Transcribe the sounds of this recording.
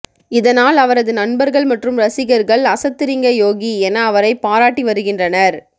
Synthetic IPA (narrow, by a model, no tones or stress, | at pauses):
ɪðɐnaːlɐʋɐɾɐðɯnɐnbɐɾɣɐɭmɐʈrɯmɾɐsɪɣɐɾɣɐɭɐsɐt̪ːɪɾɪŋɡɐjoːɣiɛnɐːʋɐɾɐɪpːaːɾaːʈːiʋɐɾɯɣɪndrɐnɐɾ